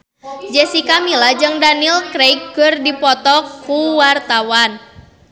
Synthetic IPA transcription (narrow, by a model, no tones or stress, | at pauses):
d͡ʒɛsikamilad͡ʒəŋdanilkɾejkɡərdipɔt̪ɔkːuwart̪awan